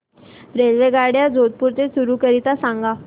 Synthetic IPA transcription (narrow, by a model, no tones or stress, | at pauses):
ɾelʋeɡaɽjad͡zʱod̪̚puɾt̪esuɾukəɾit̪asãŋɡa